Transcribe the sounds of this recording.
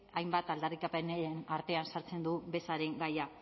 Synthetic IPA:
ajmbat̪ald̪arikapeneenaɾt̪e̞ansaɾt͡se̞nd̪ube̞saɾe̞ŋɡaja

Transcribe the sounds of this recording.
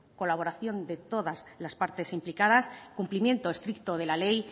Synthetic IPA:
ko̞laβ̞o̞ɾaθjo̞nd̪e̞t̪o̞ðazlaspaɾt̪e̞simplikaðaskumplimje̞nt̪o̞est̪ɾik̚t̪o̞ð̞e̞lale̞j

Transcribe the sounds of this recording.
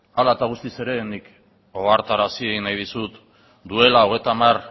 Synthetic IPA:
alaet̪aɣ̞ust̪ise̞ɾe̞nik | o̞ɣaɾt̪aɾasieɣinajð̞isut̪ | d̪ue̞laoɣe̞t̪amar

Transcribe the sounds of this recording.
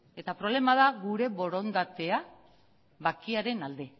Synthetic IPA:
e̞t̪apɾo̞β̞le̞maðaɣuɾe̞βo̞ɾo̞nd̪at̪e̞a | βakiaɾe̞nald̪e̞

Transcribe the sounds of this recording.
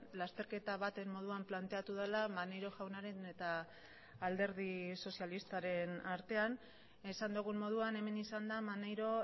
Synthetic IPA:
last̪e̞ɾke̞t̪aβat̪e̞mmo̞ð̞uamplant̪e̞at̪uð̞elamanejɾo̞ʝawnaɾe̞ne̞t̪aː | ld̪e̞ɾð̞iso̞sialist̪aɾe̞naɾt̪e̞an | esand̪uɣ̞ummo̞ð̞uane̞me̞nisand̪amane̞jɾo̞

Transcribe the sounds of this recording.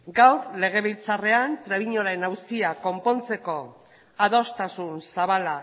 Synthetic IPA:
ɡawɾle̞ɣ̞e̞β̞ilt͡sare̞ant̪ɾeβiɲo̞laenawsiako̞mpo̞nt͡se̞ko̞ | aðo̞st̪asunsaβala

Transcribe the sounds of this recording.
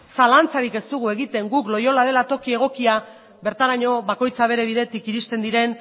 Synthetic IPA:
salant͡saɾike̞st̪uɣue̞ɣit̪e̞ŋɡuklo̞jo̞laðe̞lat̪o̞kie̞ɣ̞o̞kia | βe̞ɾt̪aɾaɲo̞βako̞jt͡saβ̞e̞ɾe̞β̞iðe̞t̪ikiɾist̪e̞nd̪iɾe̞n

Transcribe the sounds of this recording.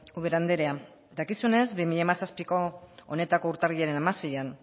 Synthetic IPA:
uβeɾand̪e̞ɾe̞a | d̪akisune̞zbimiʎamasaspiko̞one̞t̪ako̞uɾt̪ariʎaɾe̞namasejan

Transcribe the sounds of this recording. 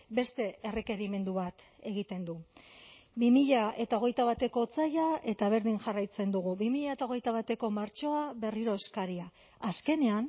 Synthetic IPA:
be̞st̪e̞ere̞ke̞ɾime̞nd̪uβat̪ | e̞ɣ̞it̪e̞nd̪u | bimiʎae̞t̪ao̞ɣe̞jt̪aβat̪e̞ko̞t͡sajae̞t̪aβ̞e̞ɾðiŋʝarajt͡se̞nd̪uɣ̞uβimiʎaet̪aoɣe̞jt̪aβat̪e̞ko̞maɾt͡ʃo̞aβe̞riɾo̞eskaɾiaː | ske̞ne̞an

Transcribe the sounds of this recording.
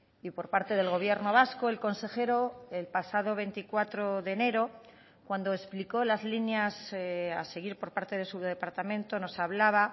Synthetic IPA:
ipo̞ɾpaɾt̪e̞ð̞elɣo̞βje̞ɾno̞β̞asko̞e̞lko̞nse̞xe̞ɾo̞elpasaðo̞βe̞nt̪ikwat̪ɾo̞ðe̞ne̞ɾo | kwand̪o̞espliko̞lazlinjasa̰se̞ɣ̞iɾpo̞ɾpaɾt̪e̞ð̞e̞suðe̞paɾt̪amẽ̞nt̪o̞no̞saβlaβ̞a

